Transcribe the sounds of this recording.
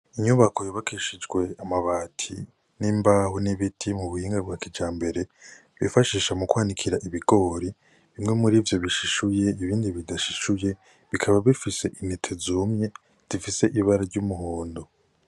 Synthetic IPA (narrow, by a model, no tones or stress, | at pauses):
iɲuβako̞joβakʰiʃid͡ʒɡwe̞amaβaːtʰḭ | niːmbaːhuniβitʰimuβuhiːŋɡabɡwaːkid͡ʒaːmbe̞ɾe̞ | βḭfaʃiːʃamukwaːnikʰiɾaʔiβiɡ̥o̞ɾi | βimŋe̞muɾiːvjo̞βiʃiʃuje̞iβiːndiβidaʃiʃuje̞ | βikʰaβaβifise̞ʔinitʰezuːmɲe̞ | z̥ifise̞ʔiβaɾaɾɟumuhoːndo̞